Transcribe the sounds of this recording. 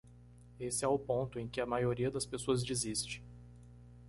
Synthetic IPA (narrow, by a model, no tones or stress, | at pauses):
esɪɛʊpõnt̪ʊẽj̃kɪɐmajoɾiɐd̪ɐspesoɐzd͡ʒizist͡ʃɪ̥